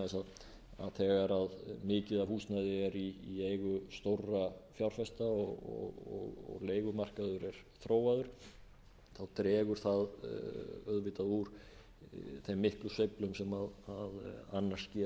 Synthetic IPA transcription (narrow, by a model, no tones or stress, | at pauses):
ɛsað | a̰ðθɛːɣaɾaðmɪːcɪðahuːsnajðɪaɾiːeːjɣʏst̪owrafjawɾ̥fɛst̪aɔɔ̰ɣɔ̰ɣɔ̰ɣleːjɣʏmar̥kaðʏɾɛɾ̥θɾoːwaðʏɾ̥ | θaðt̪ɾɛːɣʏɾ̥θað | œðvɪt̪aðuɾ̥ | θemːɪhklʏsœɥplʏmsɛmaðaðanːḁscɛ